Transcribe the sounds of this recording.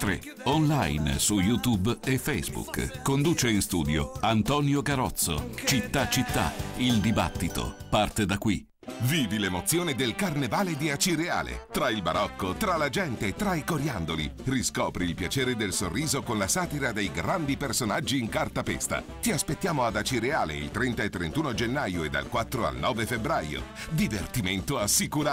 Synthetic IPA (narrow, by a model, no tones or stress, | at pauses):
t̪ɾḛ | onlajnsujut̪ubefɛjzbṵkkːond̪uːt͡ʃeinst̪ṵːd̪jo̰ant̪ɔːnjoɡaɾɔt̪sːo̰t͡ʃit̪ːat͡ʃit̪ːa̰ild̪iba̰t̪ːit̪o̰part̪ed̪akːwḭ | viːvilemot̪sːjoːned̪elkarnevaːled̪iat͡ʃiɾea̰ːlḛt̪ɾailba̰ɾʔɔkːot̪ɾalad͡ʒɛnt̪eːt̪ːɾaikoɾjand̪olḭriskɔːpɾiːlpjat͡ʃeːɾed̪elsorːiːzokonlasaːt̪iɾad̪ejɡɾand̪ipersonad͡ʒːiːŋkart̪apɛ̰st̪a̰ | t̪iaspet̪ːjaːmoad̪at͡ʃiɾeaːlḛḭlt̪ɾɛnt̪aet̪ːɾent̪uːnod͡ʒenːajoed̪a̰lkwat̪ːɾoa̰lnɔːvefebɾajo̰d̪ivert̪iment̪oasːikuɾa